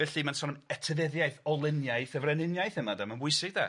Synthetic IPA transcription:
ɛɬimansɔnɛtʰəðɛðjajθɔlˠɪnjajθəvrɛnɪnjajθəmadamanbwʊɨsɪɡ̚da̰

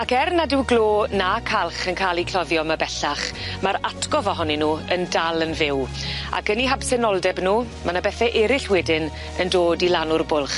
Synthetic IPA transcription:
akɛrnadɪwɡloːnakʰalˠχənkʰaːlˠikʰlɔðjɔmabɛɬaχmaɾatʰɡɔvɔɦɔninuːəndalˠənvɪwa̰kəniɦabsɛnɔlˠdɛbnuːmanabɛθɛʔɛɾɪɬwɛdɪn | əndoːdilanʊrbʊlˠχ

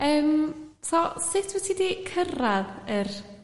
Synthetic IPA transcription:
əːmtʰɔsɪtʰwɛtʰidikʰəraðər

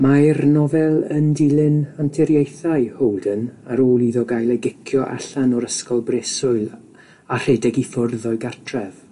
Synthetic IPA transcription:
marnɔvɛlˠəndɪlˠɪnantʰɛɾjejθaɨhowlˠdənaɾoːlˠiðɔɡajlˠɛɡɪkʰjɔʔa̰ɬanɔɾəskɔlˠbrɛsʊɨlˠ | ar̥ɛdɛɡifʊrðɔɨɡar̥tʰrɛv̥

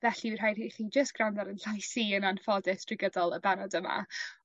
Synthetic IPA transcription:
vɛɬiɪr̥ɦajriχiːd͡ʒəstɡ̥randaɾənɬajsiːənanfɔdɪstʰrɪɡədɔlˠəbanɔdəma̰

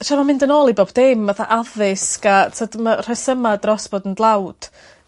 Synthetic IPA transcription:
ʃamamɪndənoːlˠiboːbdɪmːəθaʔaðɪskatʰədmar̥ɛsəmadrɔsb̥oːdəndlˠawd̥

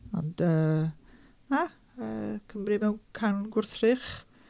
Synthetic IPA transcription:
ɔ̰nd̥əː | a | əːkʰəmrɨmɛwkʰanɡʊrθrɪχ

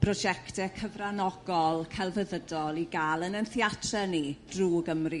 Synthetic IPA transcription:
pʰrɔd͡ʒɛktɛkʰəvranɔɡ̥ɔlˠkʰɛlˠvəðədɔlˠiɡaːlˠənənθjatʰrɛnid̥ruːɡəmri

